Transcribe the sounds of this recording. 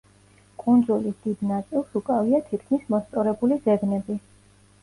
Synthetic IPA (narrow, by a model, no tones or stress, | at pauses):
kʼund̪zulisd̪̥id̪nat̪sʼilˠsukʼaviat̪ʰit̪ʰkʰmismɔst̪sʼɔɾɛbulizɛɡnɛbi